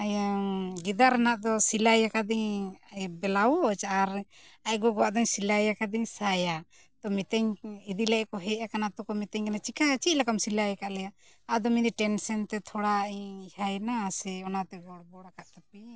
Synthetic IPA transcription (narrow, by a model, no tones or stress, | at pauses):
ajaɡid̪aɾanaʔd̪ɔsilajakad̪iɲabɛlawɔt͡ʃaɾ | aɡɔɡɔwaʔd̪ɔɲsilajakad̪iɲsaja | t̪ɔmit̪ɛɲid̪ilɛkɔɦɛʔakanat̪ɔkɔmit̪ɛɲɡanat͡ʃikat͡ʃic̚lakamsilajkaʔlɛjaʔː | d̪ɔmid̪iʈɛnsɛnt̪ɛt̪ʰɔɽaiɲihajnasɛɔnat̪ɛɡɔɽbɔɽakaʔt̪api